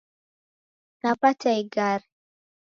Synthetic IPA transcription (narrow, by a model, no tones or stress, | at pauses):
napatajɡaɾ